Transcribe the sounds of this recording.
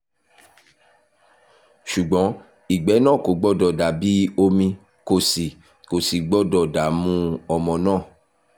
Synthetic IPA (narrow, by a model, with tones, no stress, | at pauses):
ʃu˨ɡ͡bɔ̃˨˦ | i˨ɡ͡bɛ˨˦nãː˦˨ko˨˦ɡ͡bɔ˦˨dɔ˨da˨bi˦o˧mĩ˧ | ko˨si˨ | ko˨si˨ɡ͡bɔ˦˨dɔ˧˨da˨˦mũ˦ɔ˧mɔ̃˨nãː˦˨